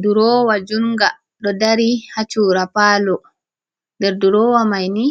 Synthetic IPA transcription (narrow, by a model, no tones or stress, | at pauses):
duɾɔwad͡ʒunɡa | ɗɔdaɾihat͡ʃuːɾapaːlɔ | ndɛɾduɾɔːwamajni